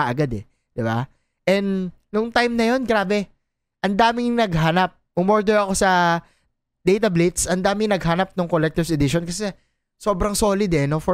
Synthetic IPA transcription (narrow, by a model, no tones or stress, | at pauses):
ɐʔɐɡad̪ɛ | d̪̥ɪba̰ | ʔɛnd̪ | nʊŋt̪ajmnɐjo̞nɡɾaːbɛ | ʔɐnd̪aːmɪŋnɐɡɦanɐp̚ːʊmoɹd̪oɐko̞sɐ | d̪̥ɛjt̪ɐblit̪sʔɐnd̪aːmɪŋnɐɡ̚hanɐp̚nʊŋkolɛk̚t̪ɪvɛd̪ɪʃonkɐsɛ | so̞ːbɾɐŋso̞ːlɪd̪ɛnofɔ